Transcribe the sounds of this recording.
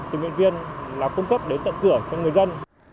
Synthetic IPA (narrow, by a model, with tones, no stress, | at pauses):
t̪ɨ˨˩wḭ˧˨nvi˧ənlaː˨˩ku˧ŋ͡mkə˦˥p̚ɗe˨˦nt̪ə̰˧˨ŋ͡mkɨ˧˩ət͡ɕɔ˧ŋ͡mŋɨ˨˩əjzə˧n